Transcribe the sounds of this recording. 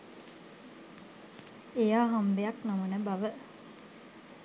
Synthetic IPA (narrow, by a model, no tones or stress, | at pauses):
ejaːɦambejaknamənəbaʋə